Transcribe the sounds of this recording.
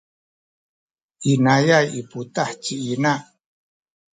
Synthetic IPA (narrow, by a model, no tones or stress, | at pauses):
ʔinajajiputaħt͡ʃiinaʔ